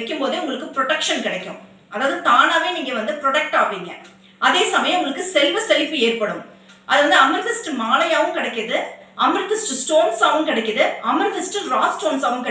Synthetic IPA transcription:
kʲːɯmpoːðeʊŋɡɐɭɯkːɯpɾɔʈɐkʂɐnkɪɽɐkʲːʊ̰̃ | ʔɐðaːʋɯðɯt̪aːnaːʋeːniːŋɡɐʋɐnd̪ɯpɾɔɽɐk̚ʈaːpiːŋɡɐ̰ | ʔɐðeːsɐmɐjɐ̃mʊŋɡɐɭɯkːɯsɛlʋɐsɛlfɯeːrpɐɽɯm | ʔɐðɯʋɐnd̪ɯɐmɪɾðɪsʈmaːlɐjaːʋɯmkɪɽɐkːɪðɯɐmɾɪt̪ːɪsʈsʈoːnsaːʋɯmkɪɽɛkʲːɐðɯɐmɪɾt̪ɪsʈɯɾaːsʈoːnsaːʋɯmkɪ

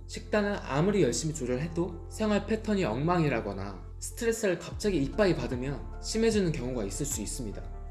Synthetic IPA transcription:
ɕʰik̚t͈anɯna̰muɾijʌɭɕ͈imit͡ɕoɾɯɭɦe̞do | sʰeŋɦwaɭpʰe̞tʰʌɲiʌŋmaŋiɾaɡʌna̰ | sʰɯ̥tʰɯɾe̞s͈ɯɾɯɭkap̚t͡ɕ͈aɡiik̚p͈aipadɯmjʌn | ɕʰime̞d͡ʑunɯnkjʌŋuɡais͈ɯɭs͈uis͈ɯmɲida

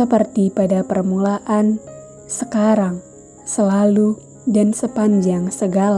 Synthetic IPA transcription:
əpərt̪ipadapərmulaʔan | səkaɾaŋ | səlalu | dansəpaɲd͡ʒaŋsəɡala

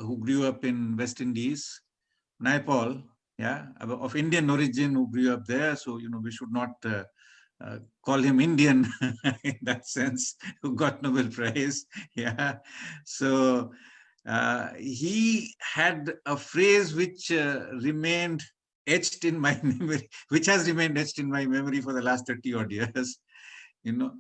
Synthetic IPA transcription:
huːɡɾuʌpɪ̃nʋɛsʈɪ̃nɖiz | naɪpɔːl | jaɔfɪ̃ɳɖiə̃nɔɾɪd͡ʒɪ̃nhuːɡɾuʌp̚d̪eɾsoːjunoːʋiʃʊɖ̚nɔːʈ̚ | kɔːlhɪ̃mɪ̃ɳɖiə̃nɪ̃nd̪æʈsɛ̃nshuɡɔʈnobəlpɾaɪzja | soː | ɦihɛɖəfɾeːzwɪt͡ʃɾɪmẽːnɖ | et͡ʃʈɪ̃nmaɪmɛməɾiʋɪt͡ʃhæzɾɪmẽnɖet͡ʃʈɪ̃nmaɪmɛməɾifɔɾd̪əlaːsʈt̪ʰəɾʈiɔɖijəz̥ | junoː

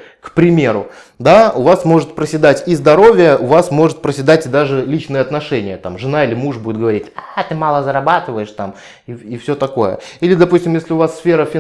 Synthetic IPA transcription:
kpɾʲɪmʲeɾʊ | d̪aʊvasmo̞ʐɨt̪̚pɾəsʲɪd̪atʲizd̪ɐɾo̞vʲɪjəʔʊvasmo̞ʐɨt̪̚pɾəsʲɪd̪atʲɪd̪aʐɨlʲit͡ɕnɨjəɐt̪nɐʂɛnʲɪjət̪amʐɨnaɪlʲɪmuʐbudʲɪt̪̚ɡəvɐɾʲitʲat̪ɨmalˠəzəɾɐbat̪ɨvəjɪʂt̪am | iifsʲɵt̪ɐko̞jə̰ilʲɪd̪ɐpusʲtʲɪmjesʲlʲɪʊvasːfʲe̞ɾəfʲɪ

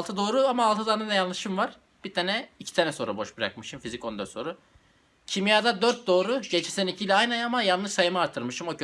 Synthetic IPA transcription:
lˠt̪ʰɯd̪o̞ːɾuamaːlˠt̪ɯd̪aːnad̪ɛjanlˠɯʃɯmvaɾ̥ | b̥it̪ʰaːnɛicʰi̥t̪ʰanɛso̞ːɾubo̞ʃbɯɾa̰k̚mɯʃɯmfizico̞nd̪aso̞ɾu | cʰimjaːd̪ad̪ø̞ɾt̪̚d̪o̞ːɾuɟet͡ʃʰi̥sɛnicʰilʲɛajnɛnamajalˠnɯʃsajɯmɯaːɾt̪ʰɯɾmɯʃɯmo̞cʰø

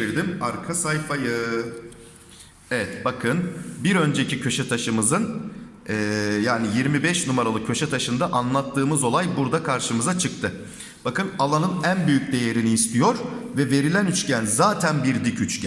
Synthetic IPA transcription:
iɾd̪imaɾkʰasajfajɯ | evɛt̪bakʰɯnbiɾø̞nd͡ʒe̞cicʰø̞ʃɛt̪ʰaʃɯmɯzɯnɛːjaːnijiɾmibɛʃnumaɾalˠɯcʰːø̞ʃɛt̪ʰaʃɯnd̪aʔanlˠat̪ʰːɯːmɯzo̞lˠajbuɾd̪akʰaɾʃɯmɯzat͡ʃʰɯk̚t̪ʰɯ | b̥akɯnalˠanɯnænbyjyc̚d̪e̞je̞ɾiniːst̪ʰijo̞ɾvɛve̞ɾilʲænyt͡ʃcænzaːt̪ʰænbiɾd̪icʰyt͡ʃcʰæ

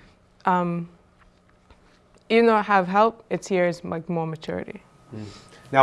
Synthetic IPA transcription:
ʔʌ̃m | ivɨ̃nðoʊhav̥ɦɛlˠpɨtshiɹɨzlʔa̰ɪkmɔɹmɨt͡ʃʰʊ̰ɹɨ̰ɾḭ | na

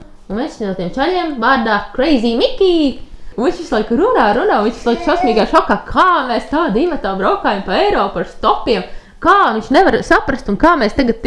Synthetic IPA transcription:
unmɛsʃnuɔt̪iɛmt͡ʃalʲiɛmʋaːɾd̪aːkɾɛjziːmikʲiːũviɲʃʋislˠajkɾunaːɾunãːʋiɲsʋi̥slˠajkʃasʲmiːɡajʃɔkaːkʰaːmeːst̪aːd̪iːmɐt̪aːbɾawkaːjampɐɛjɾɔːpaɾst̪ɔpiɛm | kaːʋiɲʃnɛʋaɾsapɾɐst̪unkaːmeːst̪aɡat̪̚

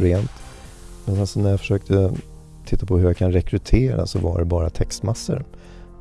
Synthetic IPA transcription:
ɾeːnt̪ | mɛnsɛnsɔnæɾjafœ̥ʂøːk̚t̪ʰə | t̪ʰɪt̪ːapʰɔhɵɾjakʰanɾɛkʰɾɵt̪ʰeːɾa̰sɔvaɖɛbɑːɾat̪ʰɛkst̪masːə̰ɾ

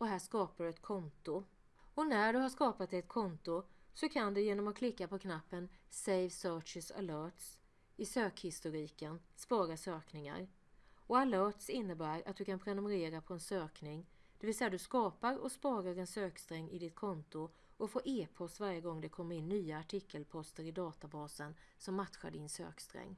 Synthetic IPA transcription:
ɔɦæːʂkɑːpaɖɵɛt̪kʰɔnt̪ʊ | ɔnæɖɵhaʂkɑːpat̪̚ɛt̪kʰɔnt̪ʊsɔkʰand̪ɛjeːnɔmɔkʰlɪkːapʰɔkʰnapːənsɛjvsœːʈt͡ʃɪsa̰lœːʈs | ɪsøːkhɪst̪ʊɾiːkənspɑːɾaʂøːknɪŋa̰ɾ | ɔalœːʈsɪnːəbæːɾa̰t̪̚d̪ɵkʰanpʰɾɛnɵməɾeːɾapʰɔɛnsøːknɪŋd̪̥ɛvɪlsɛjːad̪ɵskɑːpaɾɔ̰spɑːɾaɾɛnsøːkst̪ɾɛŋːɪ̰d̪ɪt̪kʰɔnt̪ʊ | ʔɔfoːɾʔeːpʰɔst̪vaɾjəɡɔŋːd̪ɛkʰɔmːəɾɪnːyːaːʈʰɪkʰːəlpʰɔst̪əɾɪd̪ɑːt̪abɑːsən | sɔmːat̪ɧa̰ɖɪnsø̰ːkst̪ɾɛ̰ŋː

